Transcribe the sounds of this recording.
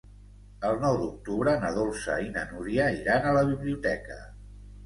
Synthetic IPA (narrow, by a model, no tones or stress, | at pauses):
əlˠnɔwd̪uk̚t̪uβɾənəðolˠsə̰inənuɾiaiɾanələβ̞iβliut̪ɛkə̰